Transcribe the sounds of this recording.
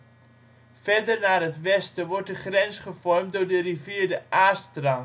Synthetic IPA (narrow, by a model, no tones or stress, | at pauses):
fɛrdərnaːrɦətʋɛstəʋɔɹt̚dəχrɛnsχəfɔrmtdʊːɹdəriviːɹdəʔaːstrɑn